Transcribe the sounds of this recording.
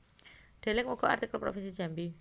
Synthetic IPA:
ɖ̥elɪŋmuɡ̥ɔʔa̰rt̪ikəlpɾo̰finsid͡ʒambi

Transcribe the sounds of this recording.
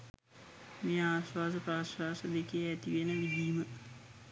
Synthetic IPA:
meːaːsʋaːsəpɾaːsʋaːsəd̪ekeæt̪iʋenəʋid̪iːmə

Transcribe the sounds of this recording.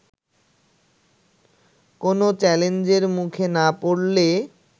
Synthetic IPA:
konot͡ɕɛlend͡ʑeɾmukʰenapoɽle

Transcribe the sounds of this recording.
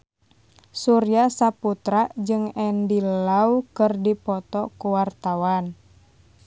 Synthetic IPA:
suɾjasaput̪ɾaʔd͡ʒɨŋɛndilaukɨrdipɔt̪ɔkuwart̪awan

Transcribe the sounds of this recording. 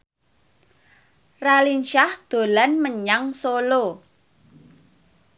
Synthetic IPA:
ralinʃahd̪̥o̤lanməɲaŋsolo

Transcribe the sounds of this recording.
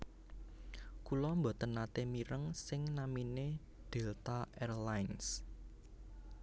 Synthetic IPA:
kulɔmbɔ̤t̪ənat̪emiɾəŋsɪŋnamine | d̪̥e̤lt̪aɛrlajns

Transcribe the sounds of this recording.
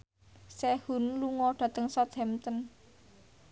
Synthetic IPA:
sɛhunluŋɔɖ̥ä̤t̪əŋsɔd̪ɛmt̪ən

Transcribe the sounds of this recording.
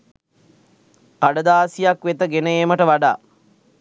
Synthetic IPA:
paɖəd̪aːsijakʋet̪əɡenəeməʈəʋaɖa̰ː

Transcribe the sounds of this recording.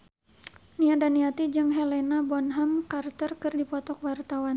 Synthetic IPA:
niadaniat̪id͡ʒɨŋɦɛlɛnabɔnɦamkart̪ərkɨrdipɔt̪ɔkwart̪awan

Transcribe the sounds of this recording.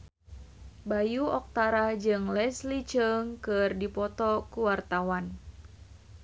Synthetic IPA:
bajuɔk̚t̪aɾahd͡ʒɨŋlɛslit͡ʃəŋkɨrdipɔt̪ɔkuwart̪awan

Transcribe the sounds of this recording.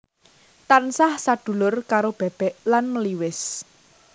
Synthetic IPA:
t̪ansahsad̪̥ṳlʊrkaɾob̥ɛ̤b̥ɛʔlanməliwɪs

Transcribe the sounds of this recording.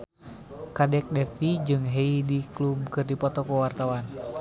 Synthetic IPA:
kadɛk̚dɛfid͡ʒɨŋɦɛidiklumkɨrdipɔt̪ɔkuwart̪awan

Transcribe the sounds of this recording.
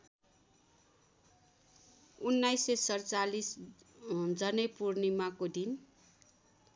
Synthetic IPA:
unːajsesʌrt͡salis | d͡zʌnepurnimakod̪in

